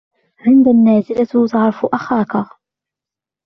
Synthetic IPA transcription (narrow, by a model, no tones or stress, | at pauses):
ʕɪnd̪anːaːzɪlat̪zɑʕɾˤfʔaxaːka